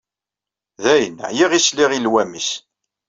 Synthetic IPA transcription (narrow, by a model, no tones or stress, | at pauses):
ðæjənjiʁisliʁilwæmis